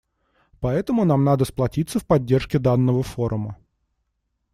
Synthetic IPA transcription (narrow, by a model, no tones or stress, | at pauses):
pɐɛt̪əmʊnamnad̪əsplˠɐtʲit̪səfpɐdʲːe̞rʂkʲɪd̪anːəvəfo̞ɾʔʊmə